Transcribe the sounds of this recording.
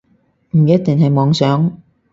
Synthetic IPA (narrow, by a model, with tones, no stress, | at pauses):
m̩˨˩jɐ˥t̚t̪ɪ˨ŋɦɐ˨jmɔː˨˧ŋsœː˨˥ŋ